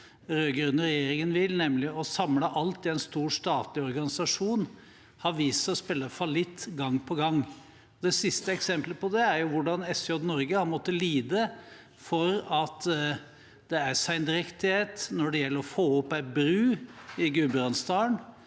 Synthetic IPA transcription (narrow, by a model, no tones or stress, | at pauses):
ɾøɡɾʉnəɾɛjeːɾɪŋənʋɪlnɛmlɪɔsɑmləʔɑlt̪ɪɛnst̪uːʂt̪ɑːt̪lɪɔɾɡɑnɪsɑʂuːn | hɑɾʋiːsəɔspɛlːəfɑlɪt̪ːɡɑŋːpʰɔɡɑŋ | ɔd̪ɛsɪst̪əɛksɛmpləpɔd̪ɛæɾjʊʋʊɖɑnɛsɔd̪nɔɾɡəhɑɾmɔt̪ːəliːd̪ə | fɔɾɑt̪ | d̪ɛæɾsæɪnd̪ɾɛkt̪ɪheːt̪nɔɖɛjɛlːəɾɔfoːɔpːæɪbɾʉːɪɡʉbɾɑnst̪ɑːəɳ